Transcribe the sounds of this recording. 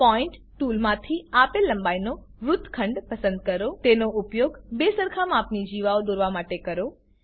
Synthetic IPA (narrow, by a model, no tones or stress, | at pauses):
pɔːɪɳʈ | ʈuːlmãt̪ʰiaːpelːɐ̃mbaːinoɾʊt̪ʰkʰə̃ɳɖpɐsə̃nd̪̚kəɾot̪eːnoʊpjoːɡbeːsəɾkʰamãːpnid͡ʒiːʋaod̪oɾʋamaːʈekɐɾo